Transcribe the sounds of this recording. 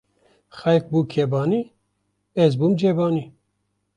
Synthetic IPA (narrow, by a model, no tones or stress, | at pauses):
xɛjk̚buːkʰebɑːniː | ɛzbumd͡ʒebɑːni